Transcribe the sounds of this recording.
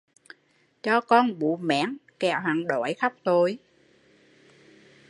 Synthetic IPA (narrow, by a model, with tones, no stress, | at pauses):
t͡ɕɔ˧kɔ˧nɓṵ˧˨mɛ̰ː˧˥ənkɛ˧˩wɦaː˨˩nɗo˧˩˦jxa˦˥wk͡p̚t̪o˧j